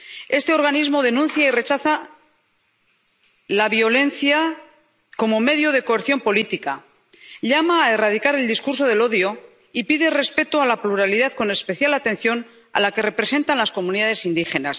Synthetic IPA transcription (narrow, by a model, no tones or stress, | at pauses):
e̞st̪e̞o̞ɾɣ̞anizmo̞ð̞e̞nũnθjaire̞t͡ʃaθa | laβjo̞le̞nθja | ko̞mo̞me̞ðjoð̞e̞ko̞eɾθjo̞mpo̞lit̪ika̰ | ʎamaːe̞raðikaɾe̞ld̪iskuɾso̞ðe̞lo̞ðjo̞ | ipiðe̞re̞spe̞t̪oalapluɾaliðaðko̞ne̞spe̞θjalat̪ẽ̞n̟θjo̞n | a̰lake̞re̞pɾe̞se̞nt̪anlasko̞muniðað̞e̞sind̪ixe̞na̰s